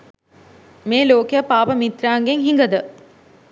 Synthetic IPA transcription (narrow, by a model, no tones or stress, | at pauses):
meːloːkejəpaːʋəmit̪ɾaːŋɡeŋɦiŋɡəd̪ə